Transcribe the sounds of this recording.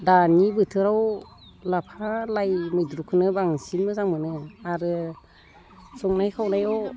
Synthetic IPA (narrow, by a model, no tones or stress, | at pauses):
danibɯtʰɯɾawlapʰalajmɯjdɾukʰɯnɯbaŋsinmɯzaŋmɯnɯaɾɯ | sɔŋnajkʰawnajɔw